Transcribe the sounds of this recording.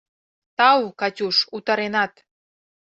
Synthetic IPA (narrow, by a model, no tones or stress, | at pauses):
t̪ɑwkɑtʲuʃut̪ɑɾenɑt̪